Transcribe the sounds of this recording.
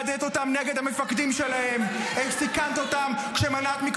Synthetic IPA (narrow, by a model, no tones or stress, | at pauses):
d̪et̪o̞t̪amneɡed̪hame̞fakd̪imʃe̞lahe̞meχsikant̪o̞t̪amkʃemanatmik